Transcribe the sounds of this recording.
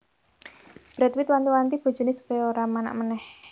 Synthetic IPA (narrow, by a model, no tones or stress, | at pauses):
b̥ɾɛt̪wit̪̚want̪iwant̪ib̥o̤̥d͡ʒ̥ṳnɪsə̥pɔjɔoɾamana̰ʔmənɛh